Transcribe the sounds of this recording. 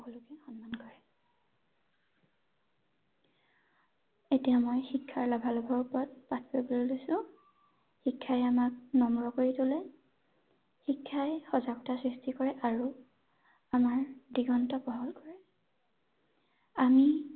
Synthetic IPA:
kɔlokɛxɔnmankɔɹɛ | etijamɔjxikʰːaɹlɔbʱalɔbʱɔɹupɔt̚patʰipɔbolelojsʊ̃ | xikʰːajamak̚nɔmɹɔkoɹitulɛ | xikʰːajxɔzakɔtasɹistikɔɹɛʔaɹu | amaɹdiɡɔntɔpɔɦɔlkɔɹɛ | ami

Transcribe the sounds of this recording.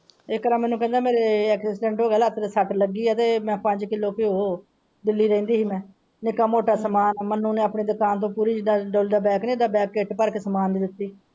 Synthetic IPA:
ɪkəɾaːmɛːnũːkɛ̃ːnd̪aːmeːɾeːɛːksɪsʈɛ̃ːɳʈɦoːɡɛːlət̪ɾsəʈləɡiːɛəːt̪eːmɛ̃ːpəɲd͡ʒkɪloːkɪoː | d̪ɪlːiːɾɛ̃ĩːnd̪iːɦiːmɛ̃ː | nɪkaːmoːʈaːsəmaːnmənːũːneːapɳeːd̪ʊkaːnt̪̬õːpuːɾiːd͡ʒɪɖaːɖoːld̪aːbɛːknẽːd̪aːbɛːkːeʈpəɾkeːsəmaːnd̪iːd̪ɪt̪ːiː

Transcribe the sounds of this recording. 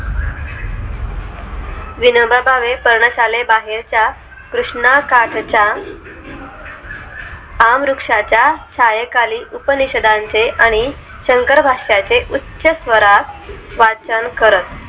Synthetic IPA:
ʋinobʱəbʱaʋepəɾɳəɕalebaɦeɾt͡ɕja | kɾuʂɳakaʈʰt͡ɕa | amɾukʂat͡ɕjaɕʰajəkaliːʔupəniɕəd̪ʱãnt͡seʔaɽ̃i | ɕəŋkəɾbʱaʂjat͡seʔutːɕəsʋəɾaʋat͡sənkəɾət̪̚

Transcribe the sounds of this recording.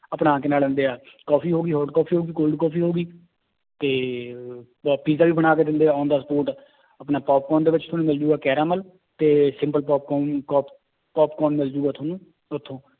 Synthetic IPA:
əpɽãːkeːnaːlə̃nd̪eːaː | kɔːpʰiːɦoːɡiːɦɔːʈkɔːpʰiːɦoːɡiːkoːlɖkɔːpʰiːɦoːɡiː | t̪eː | piːzaːʋiːbəɽ̃aːkeːd̪ɪnd̪eːaːãːnd̪aːsəpoːɾʈ | əpnaːpɔːp̚kɔːnd̪eːʋɪt͡ʃt̪ʰʊnũːmɪld͡ʒuːɡaːkɛːɾaːməl | t̪eːsɪ̃mpəlpɔːp̚kːkɔːp | pɔːpkɔːnmɪld͡ʒuːɡaːt̪ʰʊoːnũː | ʊt̪ʰːõː

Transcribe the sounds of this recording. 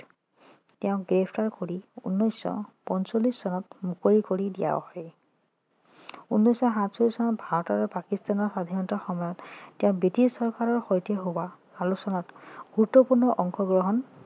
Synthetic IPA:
tɛʊ̃ɡɹepʰtaɹkoɹiṵnːɔjsɔ̰pɔnsolisːɔnɔtmukoɹikoɹidija̰hɔj | unːɔjsɔɦatsolisɔnɔt̚bʱaɹɔtɔɹɔpakistanɔɹxadʱaɹɔntɔxɔmɔjɔtːɛʊ̃bɹitissɔɹkaɹɔɹxɔjteɦowa | alusɔnɔtɡ̥uɹutːɔpuɹnɔʔɔŋxʰɔɡɹɔɦɔn

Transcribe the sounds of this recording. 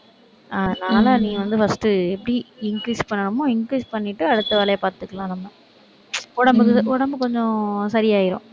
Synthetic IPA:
ɐðɯnaːlanĩːʋɐnd̪ɯfɐsʈɯɛpːɐɽiɪŋkɾiːspɐɳːɐɳɐmːõːɪŋkɾiːspɐɳːɪʈːɯɐɽɯt̪ːɯʋɛːlɐjapaːɾt̪ɯkːɐɭlãːnɐmːɐ | ɔɽɐmbɯk̬ːɯʊɽɐmbɯkɔɲd͡ʒɔ̃sɐɾɪjaːjɪɾõː

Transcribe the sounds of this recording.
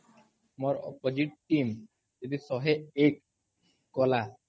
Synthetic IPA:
moɾɔ̰pod͡ʑiʈ̚ʈim | d͡ʒed̪isɔɦeekː | ɔla

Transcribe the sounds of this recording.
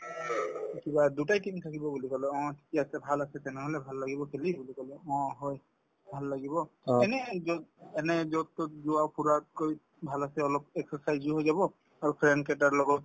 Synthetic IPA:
ikibadutajtimt̪ʰakibɔbulikɔlɛɔ̃tʰi̥kiasɛbʱalasɛt̪ɛnɛɦɔlɛbʱalːaɡibɔkʰelibulikɔlɛɔ̃ɦɔj | bʱalːaɡibɔɛnɛzɔɛnɛzɔt̪ːɔzʊwawpuɹakoj | bʱalasɛɔlɔp̚ɛksɔsajzuɦojzabɔ | aɹupʰɹɛn̚kɛtaɹlɔɡɔt̚

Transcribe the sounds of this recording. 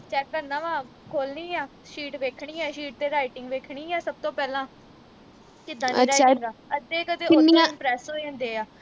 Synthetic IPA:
t͡ʃɛːkːəɾnãːʋãː | kʰoːlniːaː | ʃiːʈʋeːkʰɳiːɛːʃiːʈ̚t̪eːɾaːɪʈɪŋɡʋeːkʰɳiːɛːsəb̚t̪õːpɛːlãː | kɪd̪ãːniɾaːɪŋɡaːəeːkət̪eːnːpɾɛːsoːiːɛ̃ːnd̪eːaː

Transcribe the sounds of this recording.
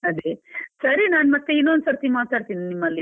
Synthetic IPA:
ɐd̪esɐɾinaːnmɐt̪ːeinːond̪sɐɽt̪inimaːt̪aːɖt̪ininimːɐlːi

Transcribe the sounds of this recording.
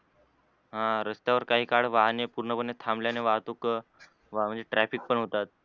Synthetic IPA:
ɦãɾəst̪jaʋəɾkaɦiːkaɽ̤ʋaɦnepuɾɳəpənːet̪ʰamljaneʋaɦt̪ok | ʋam̤əɳd͡zeʈɾæfik̚pəɳɦot̪at̪̚

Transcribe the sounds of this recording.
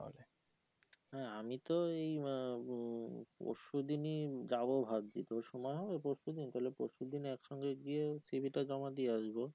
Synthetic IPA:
o̰le | ɦɛamit̪oej | po̰ʃud̪inid͡ʑabobʱad̪̚d̪it̪oʃɔmɔeɦɔbepoʃud̪init̪aɦelepoʃud̪iniɛkʃɔŋɡeɡiesibʱiʈad͡ʑɔmad̪ieaʃbo

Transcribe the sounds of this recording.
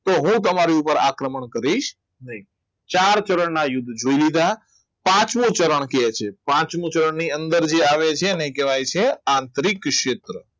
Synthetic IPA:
t̪oɦũt̪̬əmaɾiupəɾa̰kɾəməɳkəɾiʃ | nəi | t͡ʃaɾt͡ʃəɾəɳnajʊd̪ʱːd͡ʒoilid̪a | pãt͡ʃmũt͡ʃəɾəɳ̃ket͡ʃʰepãt͡ʃmũt͡ʃəɾəɳniənd̪əɾd͡ʒeaʋet͡ʃʰenekɛʋajt͡ʃʰeãnt̪ɾikʃet̪ɾə

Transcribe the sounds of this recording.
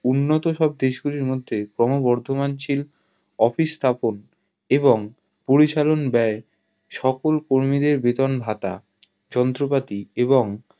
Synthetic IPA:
unːot̪oʃɔb̚d̪eʃɡuɾiɾmod̪ʱːekɾɔmobɔɾd̪ʱomant͡ɕil | ɔfist̪ʰapon | eboŋ | poɾit͡ɕalonbɛe | ʃɔkolkoɾmid̪eɾbet̪onbʱat̪a̰ | d͡ʑɔnt̪ɾopat̪ieβoŋ

